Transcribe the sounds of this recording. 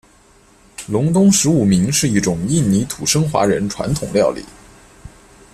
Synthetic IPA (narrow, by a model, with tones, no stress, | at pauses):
lʊ˧˥ŋt̪ʊ˥ŋʂɻ̩˧˥u˨˩mi˧˥ŋʂɻ̩˥˧i˥˩ʈ͡ʂʊ˨˩ŋi˥˩nni˧˥t̪ʰu˨˩ʂɤ˥ŋxwa̰˧˥ɻə˧˥nʈ͡ʂʰwa̰˧˥nt̪ʰʊ˨˩ŋljɑ˥˩ʊlḭ˨˩˦